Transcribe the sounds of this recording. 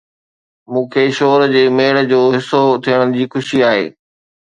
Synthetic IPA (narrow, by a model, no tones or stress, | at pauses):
mũːkʰeːʃoːɾd͡ʑeːmeːɽə̆d͡ʑoːɦɪsot̪ʰiəɽ̃ənɪ̆d͡ʑiːxʊʃiaːɦḛː